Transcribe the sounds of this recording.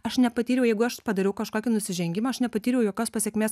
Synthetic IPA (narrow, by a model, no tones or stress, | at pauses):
ɐʃnʲɛpɐt̪ʲiːɾʲɛʊjɛɪɡʊɐʃpɐd̪ɐɾʲɛʊkɐʃkoːkʲinʊsʲɪʒʲɛŋʲɡʲɪmɐːɐʃnʲɛpɐt̪ʲiːɾʲjɛʊjoːkʲoːspɐsʲɛkʲmʲeːs